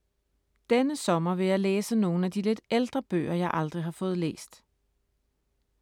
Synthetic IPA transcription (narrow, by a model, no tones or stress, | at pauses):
d̥enəsɒ̽mɐʋe̝jɑ̈ɪleːsəno̝ːn̩æd̥ile̝d̥eld̥ʁɐb̥ø̰ːɐjɑ̈ɪʔɑ̈ld̥ʁiɦɑ̈fɔ̽ːð̞̩ˠlḛːsd̥